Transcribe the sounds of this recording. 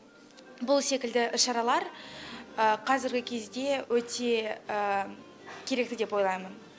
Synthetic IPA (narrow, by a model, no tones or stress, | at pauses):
bʊlˠse̞kʲɪld̪ɪʔɪʃɑɾɑlˠɑɾ | əqʰɑzɪɾɡʲɪkʲʰe̞zd̪e̞wɵt̪ʰe̞ə | kʲʰe̞ɾe̞k̚t̪ɪd̪e̞pwo̞jlˠɑjmən